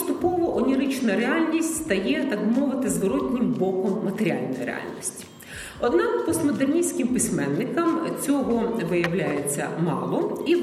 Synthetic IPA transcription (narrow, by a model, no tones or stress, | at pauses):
st̪ʊpɔʋɐʔɔnʲiɾɪt͡ʃnɐɾeɑlʲnʲisʲtʲst̪ɐjɛt̪ɑkbmɔʋɪt̪ɪzʋɔɾɔtʲnʲɪmʲbɔkɔmmɐt̪eɾʲɪa̰lʲnʊjɾḛa̰lʲnʲisʲtʲi̥ | ɔd̪nɑkpɔsmɔd̪ernʲisʲkɪmpɪsʲmɛnːɪkɐmt͡sʲɔɦɔʋɪjɐwlʲajet͡sʲːɐ̰mɑ̰lˠɔi